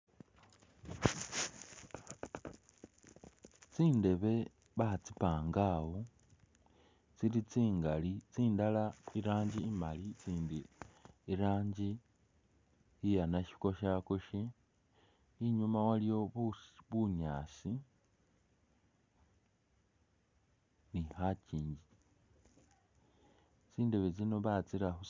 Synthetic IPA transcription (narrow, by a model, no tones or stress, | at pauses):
t͡siːnde̞βe̞ | βat͡sipaːŋɡawo | t͡silit͡siːŋɡalit͡siːndalaiɾaːɲɟiːmalit͡siːndiː | ɾaːɲɟi | ijanaʃi̥ko̞ʃakoʃe | iɲumawalijo̞ββuɲaːsi | nixaciːɲɟi | t͡siːnde̞βet͡sino̞βat͡siɾahu